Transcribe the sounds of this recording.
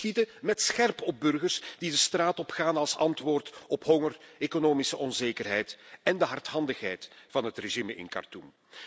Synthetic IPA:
itəmɛtsxɛrpɔb̚bɵrɣərsd̥idəstraːtɔpxaːnɑlˠsɑntʋoːrtɔpɦɔŋəreːkonoːmisəʔɔnzeːkərɦɛjtɛndəɦɑrthɑndəxɦɛjtfɑnɦətreʒimɪ̰nkɑ̰rtum

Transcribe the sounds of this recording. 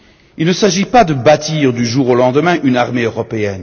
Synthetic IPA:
ilnəsaʒipad̪əbat̪iʁd̪yʒuʁolɑ̃d̪əmɛ̃ʔynaʁmeøʁɔpeɛn

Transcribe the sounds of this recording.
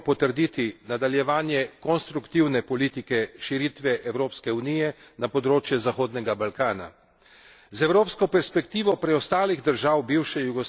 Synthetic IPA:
pɔt̪əɾd̪iːt̪inad̪aljɛʋaːnjɛkɔnst̪ɾukt̪iwnɛpɔliːt̪ikɛʃiɾit̪ʋɛʔɛwɾoːpskɛuniːjɛnapɔd̪ɾoːt͡ʃjɛzaxoːd̪nɛɡabalkaːna̰ | zɛwɾoːpskɔpɛɾspɛkt̪iːʋɔpɾɛɔst̪aːliɣd̪əɾʒaːwbiwʃɛjuɡɔs

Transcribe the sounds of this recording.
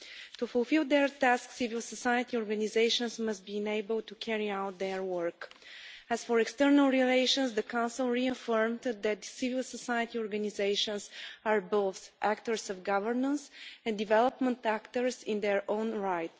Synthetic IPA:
t̪ufʊlˠfilˠd̪ɛɹt̪æsksivilˠsəsajət̪iɔɹɡanizeɪʃə̃nsməst̪̚biɪ̃neɪbəlˠt̪ukʰɛɹiawt̪̚d̪ɛɹwəɹk | æzfɔɹɛkst̪əɹnəlˠɹileɪʃə̃nsd̪əkãʊ̃nsilˠɹiəfəɹmd̪d̪æt̪sivilˠsəsajət̪iɔɹɡanizeɪʃə̃nsaɹboʊθʔækt̪əɹsɔvɡavəɹnə̃nsɛ̃nd̪ivɛlˠəpmə̃nt̪ækt̪əɹsɪ̃nd̪ɛɹʔõʊ̃nɹaɪt̪

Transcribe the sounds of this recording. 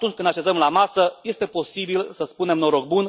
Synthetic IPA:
t̪unt͡ʃʲkɨnd̪aʃe̞zəmlamasəje̞st̪e̞po̞sibilsəspune̞mnoɾoɡ̚bun

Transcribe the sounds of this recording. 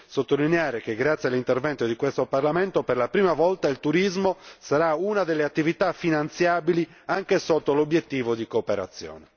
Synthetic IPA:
sot̪ːolineaːɾekeɡɾat̪sːjalːint̪ervɛnt̪od̪ikwest̪oparlament̪operlapɾiːmavɔlt̪ailt̪uɾizmosaɾaunad̪elːeat̪ːivit̪afinant̪sjaːbili | aŋk̟esɔt̪ːolobjet̪ːiːvod̪ikoːpeɾa̰t̪sːjɔ̰ːnɛ

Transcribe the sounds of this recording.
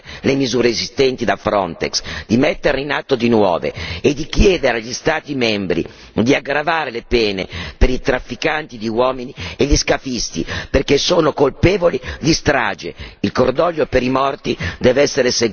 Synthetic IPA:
lemizuːɾeezist̪ɛnt̪id̪afɾɔnt̪ḛksd̪imɛt̪ːeɾinat̪ːod̪inwɔ̰ːvḛed̪ːikjɛːd̪eɾaʎːist̪aːt̪imɛmbɾḭ | d̪iaɡɾavaːɾelepɛːnḛpeɾit̪ɾafːikant̪id̪iwɔːminieʎːiskafist̪ḭperkesoːnokolpɛːvolid̪ist̪ɾa̰ːd͡ʒḛilkord̪ɔʎːopeɾimɔrt̪id̪ɛːvɛsːeɾese

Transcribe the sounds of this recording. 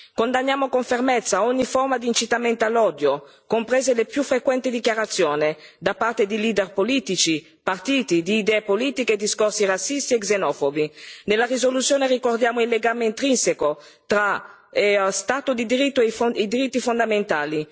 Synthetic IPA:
kond̪anːjaːmokoɱfermet̪sːaoɲːifɔrmad̪iːnt͡ʃit̪amɛnt̪alːɔːd̪jo | kompɾɛːzelepjufːɾekwɛnt̪id̪ikjaɾat̪sːjoːned̪apːart̪ed̪iliːd̪ɛrpoliːt̪it͡ʃi | part̪iːt̪id̪iːd̪ɛːepoliːt̪iked̪iskorsirat̪sːist̪ieɡzenɔːfobinelːarizolut̪sːjoːnerikord̪jaːmoilːeɡaːmeint̪ɾinseko | t̪ɾa | st̪aːt̪od̪id̪iɾit̪ːoefd̪iɾit̪ːifond̪ament̪aːli

